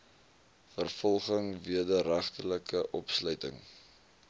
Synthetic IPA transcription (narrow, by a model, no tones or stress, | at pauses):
fərfɔlˠχəŋviədəɾæχtələkəʔɔpslœɥtəŋ